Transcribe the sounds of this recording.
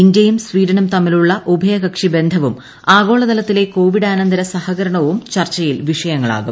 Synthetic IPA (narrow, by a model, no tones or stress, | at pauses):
indɐjumsʋiːd̪ɐnɐmt̪ɐmːiluɭːɐʔubʱɐjɐɣɐkʂibe̞nd̪ʱɐʋum | aːɡo̞ːɭɐd̪ɐlɐt̪ːileko̞ːʋiɽaːnɐnd̪ʱɐɾɐsɐhɐɣɐɾɐɳɐʋumt͡ɕɐrt͡ɕːɐjilʋiʂɐjɐŋːɐɭa̰ːɣum